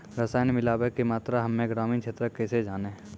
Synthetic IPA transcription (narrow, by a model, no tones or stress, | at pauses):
ɾəsaːjnemɪlaːbekimaːt̪ɾaɦɐmːẽɡɾaːmiːnkt͡ʃʰeːt̪ɾəkɛːsed͡ʒaːne